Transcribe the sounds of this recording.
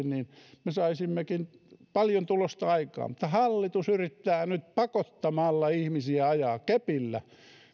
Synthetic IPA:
nninmesɑisimːekin | pɑljont̪ulost̪ɑɑikɑ̰ːmut̪ːɑhɑlːit̪usyrit̪ːæːnyt̪̚pɑkot̪ːɑmɑlːɑihmisiæɑjɑːkepilːæ

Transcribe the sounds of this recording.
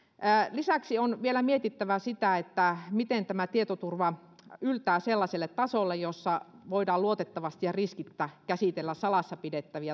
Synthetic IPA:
lisæksionʋielæmiet̪it̪ːæʋæsit̪æet̪ːæmit̪ent̪æmæt̪iet̪ot̪urʋɑ | ylt̪æːselːɑselːet̪t̪ːɑsolːejjosːɑʋoidɑːluot̪et̪ːɑʋɑst̪ijɑriskit̪ːækæsit̪elːæssɑlɑsːɑpidet̪ːæʋiæ

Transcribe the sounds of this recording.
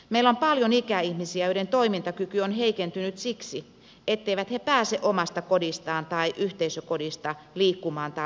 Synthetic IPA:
meilompɑljonikæihmisiæjølent̪oimint̪ɑkykyonheikent̪ynyt̪siksi | et̪ːeiʋæt̪hepæːseʔomɑst̪ɑkodist̪ɑːnt̪ɑiʔyht̪eisøkodist̪ɑliːkːumɑːnt̪ɑ

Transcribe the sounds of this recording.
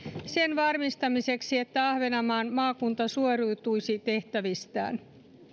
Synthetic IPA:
se̞nʋɑrmist̪ɑmise̞ksie̞t̪ːæɑhʋe̞nɑmɑːnmɑːkunt̪ɑsuorujt̪ujsit̪e̞ht̪æʋist̪æ̰ːn

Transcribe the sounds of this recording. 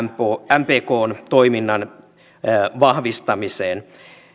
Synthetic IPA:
poæmpeːkoːnt̪oiminːɑn | ʋɑhʋist̪ɑmiseːn

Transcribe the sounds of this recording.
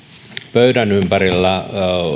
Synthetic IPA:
pøydænympæɾilːæ

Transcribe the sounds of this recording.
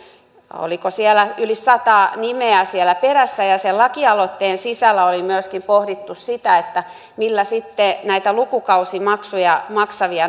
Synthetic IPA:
o̰likosielæylisɑt̪ɑːnimeæsielˑæperæsːæjɑselɑkiɑlot̪ːeːnsisælːæolimyøskimpohɾit̪ːussit̪æet̪ːæ | milːæsit̪ːenæit̪ælukukɑusimɑksujɑmɑksɑʋiɑ

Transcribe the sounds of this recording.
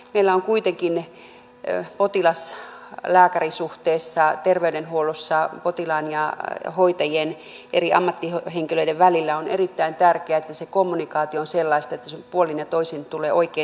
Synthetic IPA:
meilːæoŋkuit̪eŋkin | pot̪ilɑslæːkærisuht̪eːsːɑt̪erʋeydenhuolosːɑpot̪ilɑːnjɑhoit̪ɑjen | ʔḛriʔɑ̰mːɑt̪ːiheŋkiløideʋʋælilːæonḛrit̪ːæint̪ærkeæet̪ːæsekomːunikɑːt̪ionselːɑist̪ɑet̪ːæsempuolinjɑt̪oisint̪uleːoikeː

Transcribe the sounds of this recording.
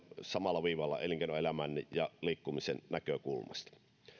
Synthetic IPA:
sɑmɑlːˑɑʋiːʋɑlːɑ̰ḛˑliŋkenoelæmænːijɑliːkːumisennækøkulmɑ̰st̪ɑ̥

